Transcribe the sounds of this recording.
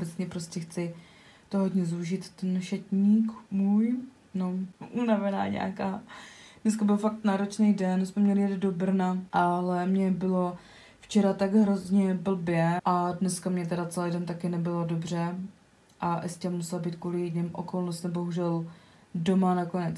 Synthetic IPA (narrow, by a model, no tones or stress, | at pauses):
obɛt͡sɲɛpɾoscʲɛxt͡sɪ | t̪oɦod̪ɲɛzuʒɪt̪ːɛnʃɛcɲiːkmuj | noʔunavɛna̰ːɲɛ̰akaːd̥nɛskabɪlfak̚t̪naːɾot͡ʃnɛjdɛnsmɛmɲɛlɪjɛd̪do̞br̩naʔalɛmɲɛbɪlo̞ | ft͡ʃɛɾat̪aɡɦɾo̞zɲɛbl̩bjɛʔadnɛskamɲɛt̪ɛɾat͡sɛlɛjdɛnt̪akɪnɛbɪlo̞dobr̝ɛ | ʔaʔɛscɛmusɛlabiːt̪̚kuːlɪjɛdɲɪmʔokolnost̪nɛmbo̞ɦuʒɛl | do̞manakonɛt͡s